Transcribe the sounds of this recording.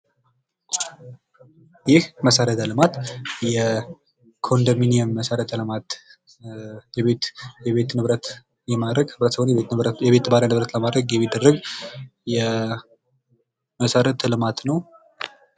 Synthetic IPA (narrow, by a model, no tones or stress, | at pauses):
jɪhməsəɾət̪ʰəlɨmat̪jɛ | kʰo̞nd̪aminijəmːəsəɾət̪lɨmat̪ | jɛβejɛβet̪nɨβɾət̪ | jɛmaɾəɡɨβɾət̪səhonjɛβet̪baɾənɨβɾət̪ləmad̪ɾəɡjɛmːid̪ːərːəɡjɛ | məsəɾət̪ʰlɨmat̪nəw